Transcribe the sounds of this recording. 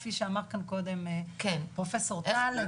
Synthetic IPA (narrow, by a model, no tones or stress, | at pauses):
fiʃeamaʁkanko̞d̪emkenpʁofeso̞ʁt̪al